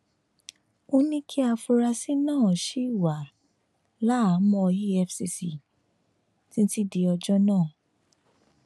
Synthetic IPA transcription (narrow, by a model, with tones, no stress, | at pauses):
o˧nĩ˦kʰi˦a˧fu˧ɾa˧si˦nãː˦˨ʃi˨˦i˦˨wa˨ | la˦a˨˦mɔ̃˧ji˦ɛ˧fsi˧si˨ | tĩ˦n̩˦ti˦˨di˨˧ɔ˧d͡ʒɔ˦nãː˦˨